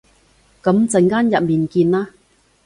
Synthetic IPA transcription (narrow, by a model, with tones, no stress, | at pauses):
kɐ˨˥mt͡sɐ˨˩ŋkaː˥njɐ˨t̚miː˨˩nkiː˧nlaː˦˥